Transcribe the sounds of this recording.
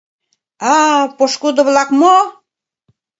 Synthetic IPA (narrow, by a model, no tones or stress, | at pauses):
ɑpoʃkud̪ə̆βlɑkmo